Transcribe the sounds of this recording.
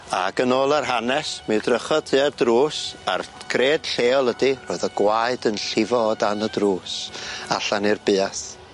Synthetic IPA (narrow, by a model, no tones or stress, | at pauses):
aɡənoːlˠarɦanɛsmɨdrəχɔtʰɨːadruːsarkʰreːd̥ɬeːɔlˠədiroːjðɔɡ̥waɨdənɬɪvɔdanədruːsaɬanirbɨːas